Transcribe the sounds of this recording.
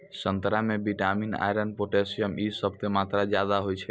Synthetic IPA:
sənt̪ɾamẽbiʈamina̰jɾənpoʈesijəmisəb̚t̪emat̪ɾad͡ʒjad̪aɦojt͡ʃʰe

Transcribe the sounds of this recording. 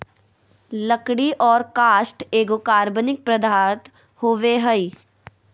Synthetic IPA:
ləkɽiʔɔːɾkaːʃʈeːɡokaːɾbənɪk̚pɾɐd̪ʱaːɾt̪ | hoːʋeɦəi

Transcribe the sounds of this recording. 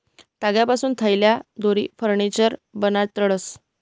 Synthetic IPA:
t̪aɡjapasuːnt̪ʰəjljad̪oɾḭːfəɾɳit͡ɕəɾbənat̪ːəɭəs

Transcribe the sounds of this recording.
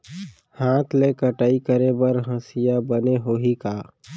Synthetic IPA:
hãːt̪ʰlekəʈaːikəɾebəɾɦə̃sɪjabəneɦoːɦikaː

